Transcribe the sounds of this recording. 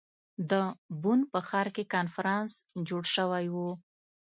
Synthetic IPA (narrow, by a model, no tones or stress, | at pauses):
d̪əbunpəxɑɾkekɑnfaɾɑnsd͡ʒoɽʃəwajwu